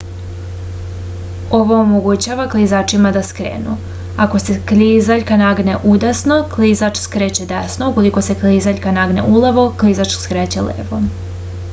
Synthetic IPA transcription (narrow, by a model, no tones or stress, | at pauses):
o̞ʋoomoɡut͡ɕaʋaklˠizaːt͡ʃimad̪askɾḛːnṵ | ako̞seklizaʎʲkanaɡneʔud̪asno̞klizat͡ʃskɾeːt͡ɕed̪esnouko̞likose̞klizaʎʲkanaɡnḛʔuleʋo̞klizat͡ʃskɾeːt͡ɕelḛːʋo